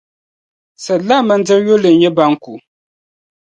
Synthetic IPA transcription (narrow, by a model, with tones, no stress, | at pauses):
sɛ˨la˦mə˨n̩˦d͡zɛ˦jo˦lɨ˨n˦jɛ˦ba˦ŋ̩˦ku˨